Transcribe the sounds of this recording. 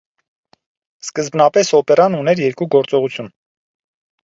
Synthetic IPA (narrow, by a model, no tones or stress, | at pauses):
skəzbnɑpɛsɔpɛɾɑnunɛɾjɛɾkuɡɔɾt͡sɔʁut͡sʰjun